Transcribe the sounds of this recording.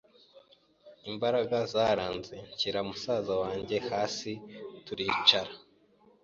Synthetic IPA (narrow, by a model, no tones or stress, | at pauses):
imbaɾaɡazaːɾaːnze̞ɲciɾamusaːzawaːɲɟe̞haːsituɾiːt͡ʃaɾḁ